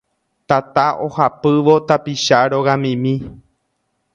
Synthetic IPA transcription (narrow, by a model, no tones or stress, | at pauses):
t̪at̪aʔo̞hapɨʋo̞t̪apiʃaɾo̞ɣamĩmĩ